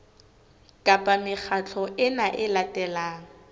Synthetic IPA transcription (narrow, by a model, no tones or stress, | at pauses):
kʼapʼamɪk͡xʰat͡ɬʰɔʔɪnaʔɪlatʼɛlaːŋ̩